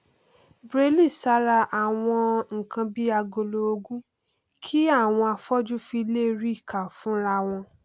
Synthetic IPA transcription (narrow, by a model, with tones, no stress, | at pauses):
bɾe˧˦li˦˨sa˨˦ɾa˧ʔa˨w̃ɔ̃˧ŋ̩˨kʰã˧bi˦a˧ɡo˧lo˧o˧ɡũ˦ | kʰi˦a˦˨w̃ɔ̃˧a˧fɔ˦d͡ʒu˦fi˧leː˦˧ɾi˦i˦˨kʰa˨fũ˦ɾa˧w̃ɔ̃˧